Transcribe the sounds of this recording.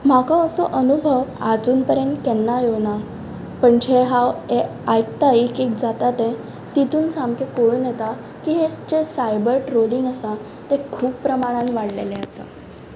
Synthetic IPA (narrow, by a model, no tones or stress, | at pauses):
m̤akaəsɔʔənubʱəʋad͡zuːnpəɾjənt̪kɛnːajona | pəɳd͡ʑeɦawe | ajkt̪aikekd͡zat̪at̪ɛ̃ | t̪it̪uːnsamkekoɽuːnjɛt̪a | kiɦest͡ɕesajbəɾʈɾoliŋɡəsa | t̪ɛ̃kʰuːpːɾəmaɽ̃ãnʋaɽlḛleəsa̰